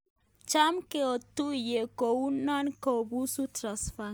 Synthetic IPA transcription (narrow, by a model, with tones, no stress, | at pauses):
t͡ʃa˦mke˦o˨tu˦je˨ko˨u˦na˦nko˨bu˦su˦tɾa˨sfa